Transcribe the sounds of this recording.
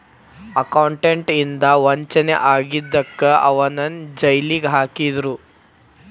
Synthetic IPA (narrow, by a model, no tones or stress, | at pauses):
ɐkɐwɳʈeɳʈind̪ɐʋɐɲt͡ʃɐneʔaːɡid̪ːɐkːɐɐʋɐnɐnd͡ʒɐjliɡɦaːkid̪ɾu